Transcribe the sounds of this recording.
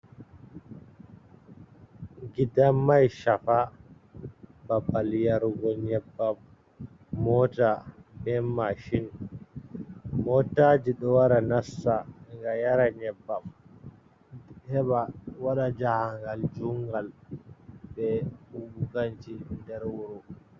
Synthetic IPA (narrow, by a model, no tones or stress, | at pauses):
ɡidamːajʃafa | babaljaɾuɡɔɲɛbːamː | ɔtaɓɛmːaʃin | mɔtad͡ʒiɗɔwaɾanasːaŋɡajaɾaɲɛbːam | hɛɓawaɗad͡ʒahaŋɡald͡ʒuŋɡal | ɓɛubukaɲt͡ʃindɛɾwuɾu